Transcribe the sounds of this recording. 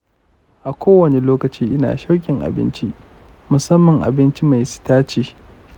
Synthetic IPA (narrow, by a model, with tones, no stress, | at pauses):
ʔa˨kʷoː˦wɐ˨ne˨loː˦kɐ˨t͡ʃiː˦ʔɪ˦na̰ː˨ʃɐ˦wkʲʼɪ˨ŋʔa̰˨bɪ̰˦nt͡ʃi˦ | mʊ˨sɐ˦mːɐ˨ŋʔa̰˨bɪ˦nt͡ʃi˦ma˨jsɪ̥˨taː˦t͡ʃiː˦